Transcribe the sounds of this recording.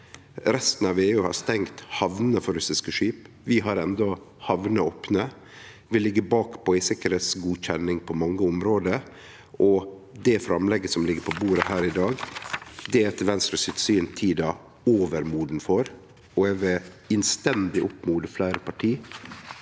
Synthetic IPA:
ɾɛst̪ən̩ɑʋeːʉːhɑ̰st̪ɛŋt̪hɑʋnəfɔɾʉsɪskəʂyːp | ʋɪɦɑɾɛnd̪ɔ | hɑʋnəoːpnə | ʋɪlɪɡːəbɑːkpɔɪsɪkəɾheːt̪sɡuːçɛnːɪŋpʰɔmɑŋːəʊmɾoːd̪ə | ʔɔ | d̪ɛfɾɑmlɛɡəsɔmlɪɡːəɾpʰɔbuːɾəhæːɾɪd̪ɑːɡd̪ɛɛt̪əʋɛnst̪ɾəsɪt̪syːnt̪ʰiːd̪ɑ | oːʋəɾmuːɖn̩fɔɾ | ɔɛʋɛ | ɪnst̪ɛnd̪ɪʔʊpːmuːd̪əflæɪɾəpʰɑʈʰiː

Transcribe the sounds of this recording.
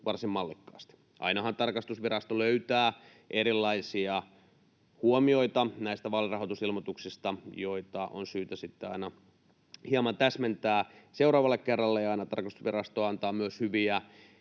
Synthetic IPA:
ʋɑrsimmɑlːikːɑːst̪i̥ | ʔɑ̰inɑhɑnt̪ɑrkɑst̪usʋirɑst̪oløyt̪æː | ʔeɾilːɑisiɑ | huomio̞it̪ɑnæist̪æʋɑːlirɑɦot̪usilmot̪uksist̪ɑjoit̪ɑʔo̰nsyːt̪æsit̪ːeɑ̰inɑ | hiɑmɑnt̪æsment̪æːseuɾɑːʋɑlːekkerːɑlːejɑɑinɑt̪ɑrkɑst̪u̥sʋirɑst̪oːɑnt̪ɑːmyøshyʋiæ

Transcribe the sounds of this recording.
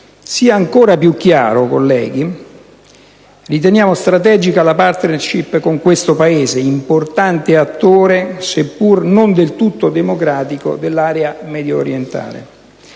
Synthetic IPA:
siːaːŋkoːɾapjukːja̰ːɾoko̰lːɛːɡi | rit̪enjaːmost̪ɾat̪ɛːd͡ʒikalapart̪nerʃipːkoŋkwest̪opaeːzeimport̪ant̪eat̪ːoːɾesepːurnond̪elt̪ut̪ːod̪emokɾaːt̪iko̰d̪elːaːɾeamɛd̪joːɾjent̪a̰ːlḛ

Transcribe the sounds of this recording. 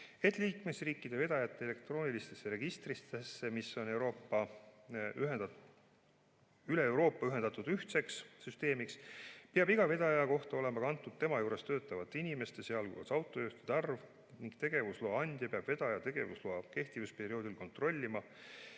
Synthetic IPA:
e̞t̪ːˑliːkme̞sriːkːˑid̪̥e̞ve̞d̪̥ɑjɑt̪ːeele̞kt̪ro̞ːnʲilist̪e̞sːeɾe̞ɡ̥ist̪rist̪esːe̞misːo̞newɾo̞ːpːɑ | y | yleewɾo̞ːpːˑɑyɦe̞nd̪ɑt̪ːˑud̪̥yht̪se̞kssyst̪e̞ːmikspeɑbiɡ̥ɑve̞d̪̥ɑjɑjɑko̞ht̪ɑo̞le̞mɑkɑnt̪ːˑud̪̥̚t̪e̞mɑjuːɾe̞st̪ø̞ːt̪ːˑɑvɑt̪ːˑeinime̞st̪e̞seɑlɡuɑ̰sɑwt̪ːˑo̞juht̪e̥d̪̥ɑrv | niŋkt̪e̞ɡ̥e̞vusloɑɑnʲd̪̥jɑpeɑb̥ve̞d̪̥ɑjɑt̪e̞ɡ̥e̞vusloɑke̞ht̪ivuspe̞ɾio̞ːd̪ilko̞nt̪ˑro̞lʲːimɑ

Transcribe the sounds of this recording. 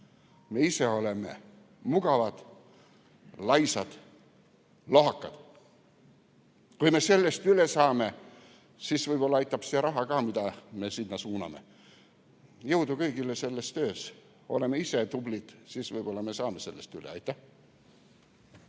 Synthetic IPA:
me̞iseo̞leme̞̰ | muɡɑvɑd̪̥ | lɑjsɑd̪̥ | loɦɑkˑːɑd̪̥ | kujme̞se̞lːe̞st̪ylesɑːme̞ | sisv̥ɤjb̥o̞lːɑɑjt̪ːˑɑb̥siɾɑɦɑkɑːmid̪ɑme̞sinnːɑsuːnɑ̰me̞̰ | jɤwd̪ukɤjɡilːese̞lːe̞st̪ø̞ːs | o̞̰le̞me̞ise̞t̪ublid̪̥sisvɤjb̥o̞lːɑme̞sɑːmese̞lːe̞st̪ylḛɑ̰jt̪ːˑæh

